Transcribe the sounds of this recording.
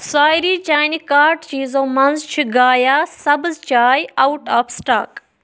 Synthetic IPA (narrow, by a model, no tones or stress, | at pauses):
saːjɾiːt͡ʃaːnikaːɾʈt͡ʃiːzoːmɐnzt͡ʃʰiɡaːjaːsɐbzt͡ʃaːjawʈaːfʰsʈa̰ːk